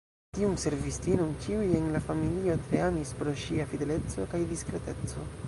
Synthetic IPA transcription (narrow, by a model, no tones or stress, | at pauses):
tiumse̞ɾvistinonkiuje̞nlafamilio̞tɾeamispɾo̞ʃiafide̞le̞t͡so̞kajdiskɾe̞te̞t͡so̞